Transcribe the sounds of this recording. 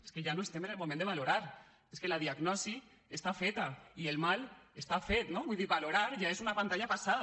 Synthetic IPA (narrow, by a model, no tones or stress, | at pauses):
eskeʒanoest̪emenelmomẽnd̪eβaloɾaɾ | eskelað̞iaɡnɔsi | est̪afet̪aielmalest̪afet̪noβwuiðiβaloɾaɾʒaezunapant̪aɲapasað